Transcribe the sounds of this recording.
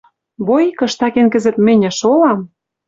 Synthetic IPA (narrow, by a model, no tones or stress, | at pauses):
βojikɤ̆ʃt̪ɑkenkɘ̆zɘ̆t̪mɘ̆nʲɘ̆ʃolɑm